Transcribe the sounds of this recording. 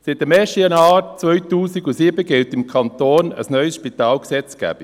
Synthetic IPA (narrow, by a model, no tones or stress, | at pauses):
sɪt̚əmɛːʃtəjɑnɑːt͡sʋœʏtuːsiɡusiːbəɡɪltɪmkʰɑnt̪oːnə̰snœʏsʃpitɑːlksɛt͡sɡ̥æ̰b̥i